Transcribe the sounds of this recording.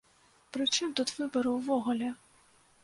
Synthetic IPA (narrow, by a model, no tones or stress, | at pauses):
pɾɨt͡ʂɨmt̪ut̪vɨbɐɾɐwvɔɣʊlʲɛ